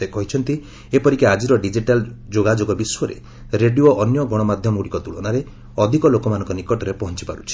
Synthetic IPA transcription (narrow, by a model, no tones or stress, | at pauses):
ekɔɦit͡ʃʰɔnt̪i | epɔɾikead͡ʒiɾɔɖid͡ʒiʈald͡ʒoɡad͡ʒoɡɔbiswɔɾḛ | ɾeɖiuoʔːnjɔɡɔɽ̃ɔmad̪ʱjɔmɔuɽikɔt̪uɭɔnaɾe | ɔd̪ʱikɔlokɔmanɔ̃ŋkɔnikɔʈɔɾepɔɦɔnt͡ʃi̥paɾut͡ʃʰi̥